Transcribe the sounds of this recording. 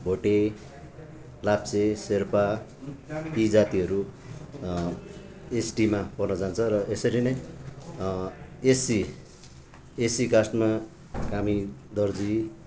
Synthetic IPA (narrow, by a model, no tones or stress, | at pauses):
bʱoʈe | lap̚t͡seserpa | id͡zat̪iʌɾu | esʈimapʌrnʌd͡zant͡sʰʌrʌʔesʌɾinʌj | esi | esikasʈma | kamid̪ʌrd͡zi